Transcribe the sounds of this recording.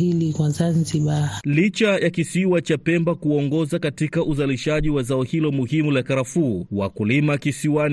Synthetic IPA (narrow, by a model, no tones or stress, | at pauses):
ilikwazanziɓalit͡ʃajakisiwat͡ʃapɛmbakuɔŋɡɔzakatikaʔuzaliʃaʄiwazaɔhilɔmuhimulakaɾafuːwakulimakisiwan